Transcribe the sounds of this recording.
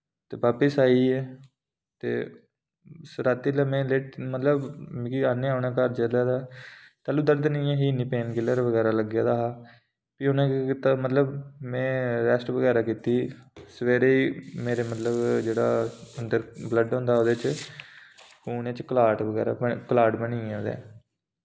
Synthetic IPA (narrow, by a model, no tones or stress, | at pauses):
t̪eːʋaːpəsaːiːɛː | t̪ḛː | sɾaːt̪ːiːlaːmɛ̃ːleːʈmət̪ləbkiaːnẽːaːʊɳaːkəɾd͡ʒəlaːd̪aːt̪aːlũːd̪əɾd̪nĩãːɦiːniːpeːnkɪləɾʋəɡɛːɾaːləɡjaːd̪aːɦaː | piːʊnãːkt̪amət̪ləbmɛ̃ːɾɛːsʈʋəɡɛːɾaːkiːt̪iːsəʋeːɾeːiːmeːɾeːmət̪ləbd͡ʒeːɽa̰ːənd̪əɾbləɖɦõːnd̪aːoːd̪eːt͡ʃ | kuːnẽːt͡ʃkəlaːʈʋəɡɛ̰ːɾa̰ːbəkəlaːʈbənĩːõːd̪ɛ̰ː